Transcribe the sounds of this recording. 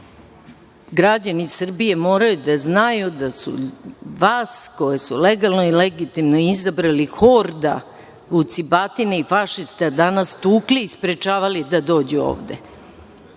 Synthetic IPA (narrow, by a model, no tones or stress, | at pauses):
ɡɾad͡ʑanisr̩bije̞mo̞ːɾajud̪aznajud̪asṵʋaːsko̞jesuleɡalˠno̞ileɡit̪imnoizabɾalixo̞ːɾd̪a̰ | ut̪sibat̪ineifaʃist̪ead̪anast̪uːkliːspɾet͡ʃaːʋalid̪ad̪o̞ːd͡ʑuo̰ːʋd̪e̞̰